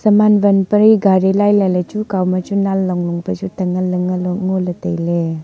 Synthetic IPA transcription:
səmanbənpəɾiɡaɾilajlalet͡ʃukawmat͡ʃunalːɔŋlɔŋpət͡ʃutəŋalɯŋalɔŋɔlətejle

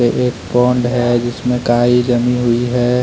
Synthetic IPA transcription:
eʔeːk̚pɔːɳɖɦɛd͡ʒɪsmẽkaːid͡ʒɐmĩɦʊiɦɛː

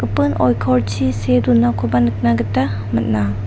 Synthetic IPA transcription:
ɯpɯnɔjkʰɔwɾt͡ʃʰisedunakʰɔbanɯk̚naɡɯtːa | mɐt̚na

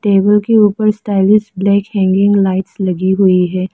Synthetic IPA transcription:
ʈeːbəlkeuːpəɾsʈaːɪlɪsʈblɛːkhɛ̃ːŋɡɪ̃ŋɡlaːɪʈslɐɡiɦʊiɦɛː

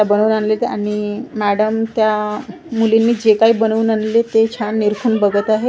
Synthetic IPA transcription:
abənuːnanlet̪aɽ̃imæɽəmt̪ja | mulinːiːd͡ʑekaiːbənuːnanlet̪et͡ɕʰanːiɾkʰuːnbəɡət̪aɦe

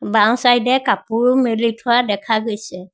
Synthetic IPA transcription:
bawsajdɛkapʊɹmelitʰʊwadɛkʰaɡojsɛ

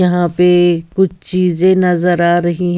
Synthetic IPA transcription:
ɐɦãpekʊt͡ʃʰt͡ʃiːzẽnɐzəɾaːɾɐɦiɦ

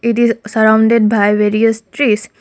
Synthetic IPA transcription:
ɪʈizsəɾãʊ̃ɳɖeɖ̚baɪʋeːɾiəsʈɾiːs

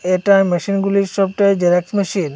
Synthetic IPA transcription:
eʈamɛʃinɡuliɾʃɔbʈajd͡ʒeɾɛksmeʃin

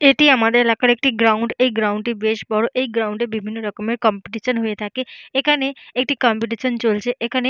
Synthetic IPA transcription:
eʈiamad̪elakəɾek̚ʈiɡɾauɳɖeɡɾauɳɖʈ̪ibeʃbɔɽoʔeiɡɾawũɳɖebibʱinːoɾəkɔmẽʈ̚kɔmpiʈiʃənɦuet̪ʰakeekaneek̚ʈikɔmpiʈ̬isənt͡ʃolt͡ʃʰeʔekane

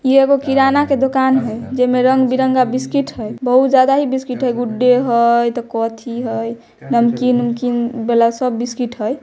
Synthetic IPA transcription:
ieɡokiɾanaked̪okanɦəjd͡ʒemeɾəŋɡbiɾəŋɡabiskiʈɦəjbəɦut̪d͡ʒad̪aɦibiskiʈɦəjɡuɖːeɦəjt̪ɔkɔt̪ʰiɦəj | nəmkinəmkinbelasəbːiskiʈɦəj

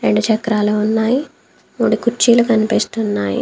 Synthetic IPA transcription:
ɾeɳɖut͡ʃɐkːɾaːluːunːaːji | muːɽikut͡ʃːiːlukɐnipiːst̪unːaːjḭ

